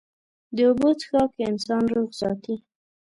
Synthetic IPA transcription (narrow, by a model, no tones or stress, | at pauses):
d̪əobot͡sə̥xɑkeɪnsɑnɾoɣzɑ̰t̪i